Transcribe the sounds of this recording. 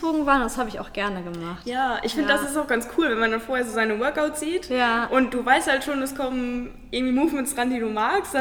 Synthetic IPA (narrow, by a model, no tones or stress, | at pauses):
oːɡŋ̩vaːɐnnd̥ashaːbəɪça̰ʊxɡ̥ɛɐnəɡəmaχtjaːʔɪ̰çfɪndədasɪstaʊxɡ̥ant͡skʰuːlvɛnmandanfoːɐheːɐzoːzaɪnəwœɐkaʊtz̥iːtjjaʔʊnt̚d̥uːvaɪsthaltʃoːnɛskʰɔmən | ɪɐŋtv̥iːmuːfmɛnsʁandiːduːmaːkst